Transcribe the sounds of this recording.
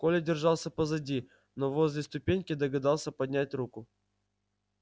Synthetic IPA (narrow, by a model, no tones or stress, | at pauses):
kolʲɪdʲɪrʐɑlˠsʲəpəzɐdʲi | novozʲlʲɪst̪ʊpʲenʲkʲɪd̪əɡɐd̪ɑlˠsʲəpɐd̪ʲnʲætʲrukʊ